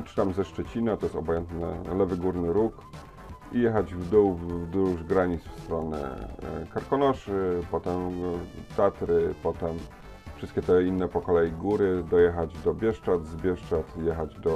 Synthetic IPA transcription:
pʂɘ̥t̪amzɛʂt͡ʂɛt͡ɕinat̪ɔjɛst̪ɔbɔjɛnt̪nɛ̰lɛvɘɡuɾnɘɾuk | ijɛxad͡ʑvd̪uwvvd̪ɾuʐɡɾaɲit̪sfst̪ɾɔnɛ̰kaɾkɔnɔʂɘpɔt̪ɛmt̪at̪ɾɘpɔt̪ɛm | fʂɘst̪̚kʲɛt̪ɛinːɛpɔkɔlɛjiɡuɾɘd̪ɔjɛxad͡ʑd̪ɔbʲjɛʂt͡ʂad̪zbʲjɛʂt͡ʂat̪jɛxad͡ʑd̪ɔ

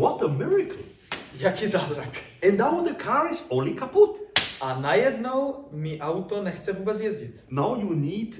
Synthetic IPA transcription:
wɔt̪əmɪɹɪkʰəl̩ | jakizaːzɾak | ɛ̃nnawðəkʰaɹɪzolikʰaput̪anajɛd̪nowmiʔawt̪ɔnɛxt͡sɛvuːbɛd͡zjɛzɟit̪nawjuniːd

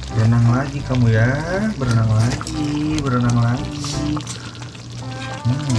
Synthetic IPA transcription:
bəɾanaŋlaɡikamujabəɾanaŋlaɡibəɾanaŋlaɡi

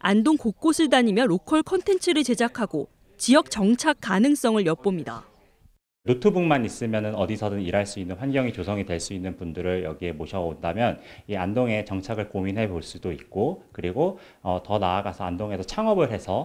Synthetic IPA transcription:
andoŋkok̚k͈osʰɯɭdaɲimjʌɾokʰʌɭkʰʌntʰe̞nt͡ɕʰɯɾɯɭt͡ɕe̞d͡ʑakʰaɡo | t͡ɕijʌk̚t͡ɕʌŋt͡ɕʰak̚k͈ːanɯŋs͈ʌŋɯɭjʌp͈omɲida̰ | notʰubuŋmanis͈ɯmjʌnɯnʌdisʰʌdɯniɾaɭs͈uinːɯnɸwanɡjʌŋit͡ɕosʰʌŋidwe̞ɭs͈uinːɯnpundɯɾɯɭjʌɡiɦe̞moɕʰʌondamjʌniandoŋe̞t͡ɕʌŋt͡ɕʰaɡɯɭkominɦe̞poɭs͈udoik̚k͈okɯɾiɡo | ʌtʌnaːɡasʰʌandoŋɦe̞sʰʌt͡ɕʰaŋʌbɯɭɦe̞sʰʌ

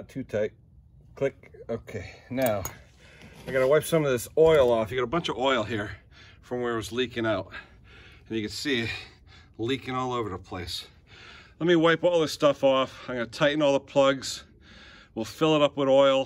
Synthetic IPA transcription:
tʰʉtʰaɪt̚ | kʰl̥ɪkoʊkʰeɪnaʊ | aɪɡɑɾəwaɪpsʌ̃mʌvðɪsɔɪlˠɔfjɨɡɑɾəbʌ̃nt͡ʃʌvɔɪl̩ˠɦiɹ | fɹʌ̃mwə˞ɨwʌzlikɪ̃ŋaʊt̚ | ɨ̃n̩jɨkɨ̃dsiɪt̚ | likɪ̃ŋɔlˠoʊvə˞ðəpʰl̥eɪs | lɛt̚miwaɪpɔlˠðɪstʌfɔfaɪmɡʌnətʰaɪʔn̩ɔlˠðəpʰl̥ʌɡz̥ | wilˠfɪlˠəɾʌpwəðɔɪlˠ

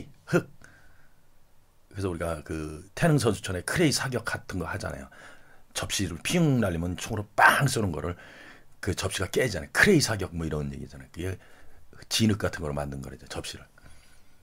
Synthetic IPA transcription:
hɯk̚ | ɯesʰʌuɾiɡakɯtʰe̞nɯŋsʰʌnsʰu̥t͡ɕʰʌne̞kʰɯɾe̞isʰaɡjʌk̚ʰːatʰɯnɡʌhad͡ʑa̰na̰jo̰t͡ɕʌp̚ɕ͈iɾɯɭpʰiɯŋnaʎːimjɯnt͡ɕʰoŋɯɾop͈aŋs͈onɯnɡʌ̰ɾɯɭ | kɯt͡ɕʌpɕ͈iɡak͈e̞d͡ʑanajokʰɯɾeisʰaɡjʌk̚mʌiɾʌnje̞ɡid͡ʑanajokɯɡe | t͡ɕinɯk̚k͈atʰɯnɡʌɾɭmandɯnɡʌɾed͡ʑet͡ɕʌp̚ɕ͈iɾɯɭ

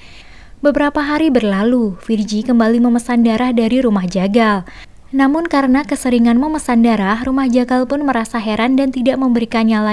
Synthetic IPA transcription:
bəbəɾapaɦaɾibərlalufird͡ʒikəmbaliməməsandaɾahdaɾiɾumahd͡ʒaɡal | namʊnkaɾənakəsəɾiŋanməməsandaɾahrumahd͡ʒaɡalpʊnməɾasaɦɛɾandant̪idaʔməmbəɾikanjala

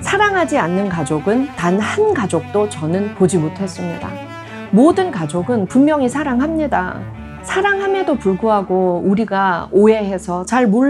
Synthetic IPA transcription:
sʰaɾaŋɦad͡ʑianːɯnkad͡ʑoɡɯntanhankad͡ʑok̚t͈ot͡ɕʌnɯnpod͡ʑimotʰe̞s͈ɯmɲida̰ | modɯnkad͡ʑoɡɯnpumːjʌŋisʰaɾaŋɦamɲida̰ | sʰaɾaŋɦame̞dopuɭɡuɦaɡouɾiɡaoe̞ɦe̞sʰʌt͡ɕaɭmoɭ

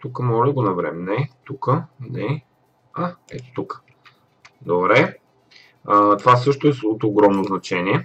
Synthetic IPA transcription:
t̪ukəmɔlɛɡonɐvɾɛ̰mɛnɛt̪ukənɛ | aɛ̰t̪o̥t̪ukə̥ | d̪obɾɛ | ət̪ovasɤʃt̪oɛsot̪oɡɾɔmnoznɐt͡ʃɛniɛ

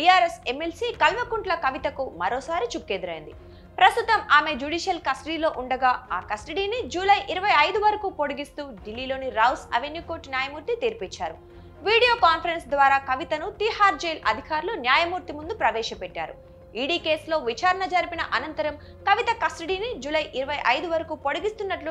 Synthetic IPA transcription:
bijaːɾesemːelsiːkɐlʋɐkuɳʈlɐkɐʋit̪ɐkumɐɾoːsaːɾit͡ʃukːeːd̪ɐɾɐjḭnd̪i | pɾɐst̪ut̪ɐmaːme̞d͡ʒuːɖiːʃjɐlkɐsʈɐɽiːlo̞ːʔuɳɖɐɡaːa̰ːkɐsʈɐɽiːnid͡ʒuːlɐjʔiɾɐʋɐjɐjd̪uʋɐɾɐkuːpoɽuɡist̪uːɖilːiːlo̞ːniɾɐwsɐ̰ʋenjukoːʈnjaːjɐmuːɾt̪it̪iːɾpit͡ʃːa̰ːɾṵ | ʋiːɽijo̞ːkaːnpʰɐɾensd̪ʋaːɾaːkɐʋit̪ɐnut̪iɦaːɾd͡ʒejlɐ̰d̪ʱikaːɾlunjaːjɐmuːɾt̪imund̪upɾɐʋɛːʃɐpɛʈːa̰ːɾṵ | iːɖiːke̞ːslo̞ːʋit͡ʃaːɾɐɳɐd͡ʒɐɾipinɐʔɐnɐnt̪ɐɾɐm | kɐʋit̪ɐkɐsʈɐɽiːnid͡ʒuːlɐjʔiɾɐʋɐjʔɐjd̪uʋɐɾɐkuːpoɽuɡist̪unːɐʈlu

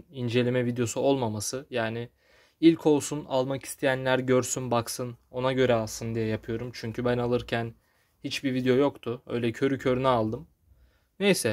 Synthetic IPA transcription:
ind͡ʒe̞lʲemɛvid̪jo̞suo̞lˠmamasɯjaːnɪ | ilʲcʰo̞lˠsunalˠmaki̥st̪ʰejænlʲæɾɟøɾsynbaksɯno̞naɟø̞ɾɛalˠsɯnd̪ijɛjapʰɯjo̞ɾumt͡ʃʰyɲcʰybænalˠɯɾcʰæn | hit͡ʃbivid̪ejo̞jo̞kt̪ʰʊø̰jlʲɛcʰø̞ɾycʰø̞ɾynɛalˠd̪ɯm | nejsɛ

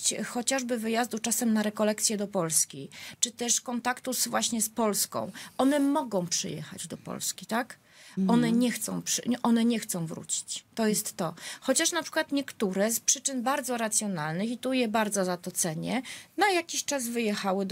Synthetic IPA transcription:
t͡ɕxɔt͡ɕaʐbɘvɘjazd̪ut͡ʂasɛmnaɾɛkɔlɛkt̪sʲjɛd̪ɔpɔlskʲit͡ʂɘt̪ɛʂkɔnt̪akt̪uzvwaɕɲɛspɔlskɔ̰̃w̃ʔɔnɛmɔɡɔ̃w̃pʂɘ̰jɛ̰xa̰d͡ʑd̪ɔpɔ̰lskʲit̪ak | ɔnɛɲɛxt̪sɔ̰̃w̃pʂʔɔnɛɲɛxt̪sɔ̃w̃vɾṵt͡ɕi̥t͡ɕt̪ɔjɛst̪ːɔxɔt͡ɕaʂnapʂɘ̥kwat̪ɲɛkt̪uɾɛspʂɘt͡ʂɘnbaɾd̪zɔɾat̪sʲjɔnalnɘxit̪ujɛbaɾd̪zɔzat̪ɔt̪sɛɲɛ̰najakʲiɕt͡ʂazvɘjɛxawɘ

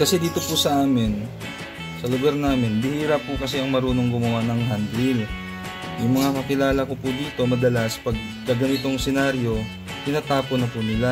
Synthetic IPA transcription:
kɐsɛd̪iːt̪o̞pusɐʔaːmɪn | sɐloɡaɾnaːmɪnbɪhiːɾɐpːukɐsɛʔɐŋmɐɾuːno̞ŋɡʊmɐwanɐŋhɐnd̪ɾil | jʊŋmɐŋakɐkɪlaːlɐko̞pud̪iːt̪o̞mɐd̪ɐlaspɐɡ̚ | kɐɡɐnɪt̪o̞ŋsɛnaɾjo̞ | k̪ɪnaːt̪aːponɐpunɪla

